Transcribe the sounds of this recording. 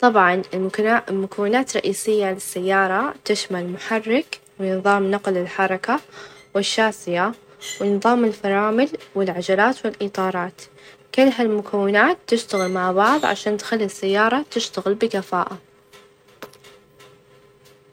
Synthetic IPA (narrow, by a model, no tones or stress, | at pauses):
t̪ˤɑbʕɑnɪllmʊkawːɪnaːt̪ɾˤɑ̰ʔiːsɪjːalɪsːajːɑːɾˤɑt̪ɪʃmalmʊħɑrːɪk | wɪnɨðˤɑːmnɑqlɪlħɑɾˤɑkawɪʃːaːsɪja | wɪnɨðˤɑːmɪlfɑɾˤɑːmɪlwɪlʕad͡ʒalaːt̪wɪlʔit̪ˤɑːɾˤɑːt̪ | kɪlːɦalmʊkʰawːɪnaːt̪ːɪʃt̪aɣɪlmaʕbɑʕðˤʕa̰ʃaːnt̪xalːisːajːɑːɾˤɑt̪ɪʃt̪aɣɪlbɪkafaːʔa